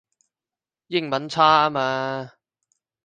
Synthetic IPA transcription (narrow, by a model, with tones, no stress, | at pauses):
jɪ˥ŋmɐ˨˥nt͡sʰaː˥aː˥maː˧